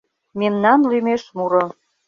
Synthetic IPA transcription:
memnɑnlymeʃmuɾo

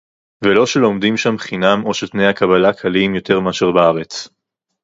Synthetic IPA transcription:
velo̞ʃe̞lo̞md̪imʃamχinamo̞ʃet̪ne̞jhakabalakʰalimjo̞t̪e̞ʁmaʃeʁbaaʁet͡s

